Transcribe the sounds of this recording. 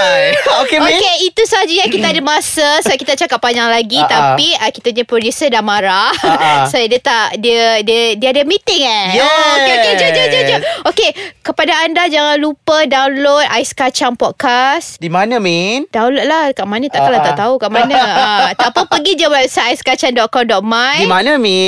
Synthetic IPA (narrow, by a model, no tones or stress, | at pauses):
okeokeit̪usaɦad͡ʒujakit̪aːdəmasasoaʔkit̪at͡ʃakapːaɲaŋlaɡit̪apiakit̪aɲapɾodusədamaɾasodət̪aʔdiədədiadəmĩt̪ɪŋajd͡ʒed͡ʒod͡ʒod͡ʒod͡ʒookekəpadaːndad͡ʒaŋanlupədawnlot̪̚aiskat͡ʃaŋpɔt̚kasdimanə̃mind̥aw̃lot̪̚lahkaʔmanə̃t̪aʔk̪alat̪aʔt̪aukaʔmanəat̪apəpəɡid͡ʒawɛsaajskat͡ʃaŋdɔʔ̚kɔmdɔʔ̚majdimanə̃mi